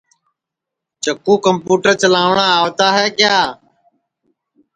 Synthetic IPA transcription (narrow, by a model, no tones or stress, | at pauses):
t͡ʃəkũːkəmpuːʈəɾt͡ʃəlãːʋɳãːaːʋt̪aːɦɛːkjaː